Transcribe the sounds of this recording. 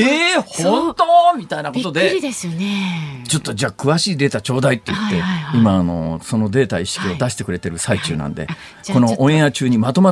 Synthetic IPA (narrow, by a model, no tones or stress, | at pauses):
ehõnt̪o̞ːmʲit̪ainako̞t̪o̞d̪eiesnet͡ɕo̞t̪ːo̞d͡ʑaːkɯ̟βaɕiːd̪e̞ːt̪at͡ɕo̞ːd̪ait̪ːe̞jɯt̪ːe̞imaːno̞̰so̞no̞d̪e̞ːt̪aiɕi̥kʲio̞d̪aɕi̥t̪e̞kɯɾe̞t̪e̞ɾɯ̟sait͡ɕɨ̰ːnã̰nd̪ḛ | ko̞no̞ʔõɰ̃ẽjat͡ɕɨːɲ̟imat̪o̞ma